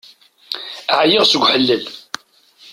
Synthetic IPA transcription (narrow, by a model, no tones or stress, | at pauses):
ʕjɪʁsəɡʷħəlːəl